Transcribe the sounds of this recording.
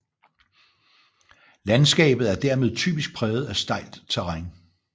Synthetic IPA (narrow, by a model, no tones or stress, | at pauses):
lænsɡ̥ɛ̰ːb̥ð̩ˠæɐd̥æɐme̝ð̞ˠt͡sʰy̰ːb̥isɡ̥̚pʰʁɛːʊð̩ˠæsd̥ɑ̈ɪ̰ld̥t͡sʰeʁɑŋ